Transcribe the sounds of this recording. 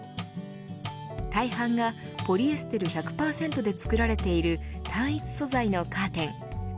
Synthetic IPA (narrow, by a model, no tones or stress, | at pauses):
t̪aihãŋɡa | po̞ɾʲiesɨ̥t̪e̞ɾɯ̟çakɯ̟̥paːsẽ̞nt̪o̞d̪e̞t͡sɨ̥kɯ̟ɾaɾe̞t̪e̞iɾɯ̟t̪ʰãɰ̃it͡sɨ̥so̞zaino̞kaːt̪ẽ̞ŋ